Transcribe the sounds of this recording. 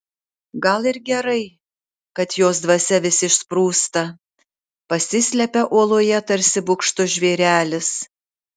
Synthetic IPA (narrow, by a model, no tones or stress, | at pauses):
ɡɐlˠɪɾɡʲɛɾɐɪ | kɐt̪joːsd̪ʋɐsʲɛʋʲɪsʲɪʃspɾuːst̪ɐ | pɐsʲɪsʲlʲɛpʲɛʔoɔlˠoːjɛt̪ɐɾʲsʲɪbʊkʃt̪ʊʒʲʋʲeːɾʲæːlʲɪs